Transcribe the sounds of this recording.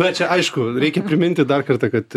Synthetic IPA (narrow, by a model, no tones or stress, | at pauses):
ʋʲɛt͡ʃʲɛɐɪʃkʊɾʲɛɪkʲɛpʲɾʲɪmʲɪnʲt̪ʲɪd̪ɐrkɐrt̪ɑkɐt̪